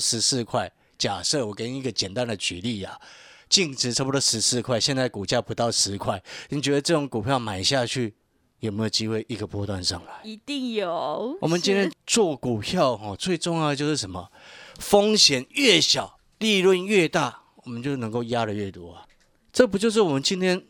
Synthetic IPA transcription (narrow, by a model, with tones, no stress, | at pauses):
ʂɻ̩˧˥sɹ̩˥˧kʰwa˥˩ɪ | t͡ɕja˨˩ʂɤ˥˩wɔ˨˩kə˥˦ni˥˧ɡə˨t͡ɕjɛ˨˩nt̪a˥˦nd̪ə˨t͡ɕy˨˦li˥˩a˨˩t͡ɕi˥˧ŋʈ͡ʂʰɻ̩˨˥ʈ͡ʂʰə˧˥bu˧t̪ɔ˥˩ʂɻ̩˧˥sɹ̩˥˧kʰwa˥˩ɪɕjɛ˥˧nt͡sa˥˩ɪku˨˩t͡ɕja˥˩ɪpu˧˦˥t̪ɑ˥˩ʊʂɻ̩˧˦kʰwa˥˩ɪni˨˩t͡ɕɥɛ˧˥d̪ə˨˧ʈ͡ʂɤ˥˧˩ʈ͡ʂʊ˨˧˥ŋku˨˩pʰjɑ˥˩ʊma˨˩ɪɕja˥˧t͡ɕʰy˥˩ | jo˨˩me˧˥jo˨˩ʊt͡ɕi˥xwe˥˩ɪʔi˧˥ɡə˨pwɔ˥t̪wa˥˧nʂɤ˥˩ŋla˨˦ɪi˧t̪i˥˩ŋjo˨wɔ̰˨˩mə˦nt͡ɕi˥nt̪jɛ˥nt͡swɔ˥˩ku˨˩pʰjɑ˥˨ʊxɔ˨t͡swe˥˧ɪʈ͡ʂʊ˥˧ŋjɑ˥˩d̪ə˨t͡ɕjo˥˧ʊʂɻ̩˥˩ʂə˧˦nmə̰˨˩fo˦ŋɕjɛ˨˦nɥɛ˥˩ɕjɑ˨˩˦ʊ | li˥˧lwə˥˧˨nɥɛ˥˧t̪a˥˩ | wɔ˨˩mə˦nt͡ɕjo˥˩ʊnɤ˧˥ŋko˥˩ʊja˦˥ɾə˨ɥɛ˥˩t̪wɔ˥a˨˩ | t͡sɤ˥˩p̬u˧˥t͡ɕjo˥˧ʂ̬ɻ̩˥˩wɔ˨˩mə˦nt͡ɕi˥nt̪ʰjɛ˥n